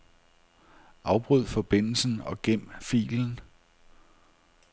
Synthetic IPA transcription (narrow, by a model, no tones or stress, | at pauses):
ʔɑ̈ʊb̥ʁyð̰ˠfɒ̽b̥e̝n̰l̩sn̩ɒ̽ɡ̥em̰fḭːln̩